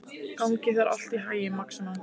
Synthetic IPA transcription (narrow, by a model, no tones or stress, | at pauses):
kawŋcɪθaɾʔa̰l̥t̪iɦaːjɪmaksman